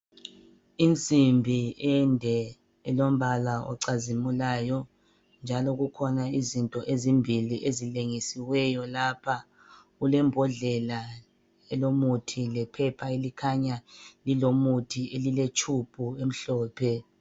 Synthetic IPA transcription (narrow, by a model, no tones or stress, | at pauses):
int͡sʼimbʱiɛndʱɛ | ɛlom̩βalaɔ̰ǀazimulaːjɔ | nd͡ʒʱalɔɣukʰɔnaizintʼɔʔezimbʱiliʔezileŋisiwɛjɔlapʰa | ɣulɛmbʱɔɮɛla | ɛlomutʰilɛpʰɛpʰaelikʰaɲalilomutʰiʔelilet͡ʃʰʼupʰʼuem̩ɬɔːpʰɛ